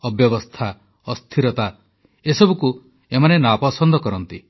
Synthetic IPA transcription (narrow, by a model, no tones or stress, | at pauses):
ɔbjɔbɔst̪ʰa | ɔst̪ʰiɾɔt̪a | esɔbuku | emanenapɔsɔnd̪ʱɔkɔɾɔnt̪i